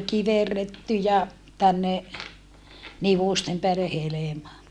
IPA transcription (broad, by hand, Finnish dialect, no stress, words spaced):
kiʋerːetːy jɑ tænːe niʋuˑstem peælːe helemɑ